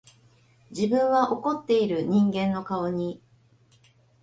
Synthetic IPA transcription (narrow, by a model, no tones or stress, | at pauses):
d͡ʑibɯ̟̃ɰ̃βaʔo̞ko̞t̪ːe̞iɾɯ̟ɲ̟ĩŋɡẽ̞nːo̞kaoɲ̟i